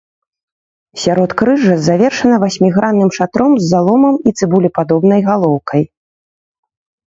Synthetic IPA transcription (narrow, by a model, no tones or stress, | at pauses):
sʲaɾɔt̪kɾɨʐɐzavʲɛrʂɐnɐvasʲmʲiɣɾanːɨmʂat̪ɾɔmzːalˠɔmɐmit̪sɨbulʲipad̪ɔbnɐjɣalˠɔwkʰɐj